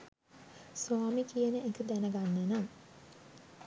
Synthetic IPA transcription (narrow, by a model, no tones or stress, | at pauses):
suaːmikijənəekəd̪ænəɡanːenaŋ